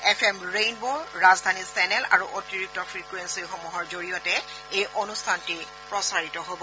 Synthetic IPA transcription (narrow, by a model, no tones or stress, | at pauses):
ɛpʰɛmɹejnboɹɹazdʱanisɛnɛla̰ɹuʔotiɹip̚tɔfʰɹikuwensixɔmuɦɔɹzoɹijɔtɛ | ejʔonustʰanti | pɹɔsaɹitɔɦobɔ